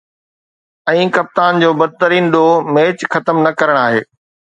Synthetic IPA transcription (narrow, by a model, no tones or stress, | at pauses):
ɛ̃ːkɐp̚t̪aːnd͡ʑoːbɐd̪̚t̪əɾiːnɗoːmeːt͡ɕxɐt̪əmnɐkɐɾəɽ̃aːɦeː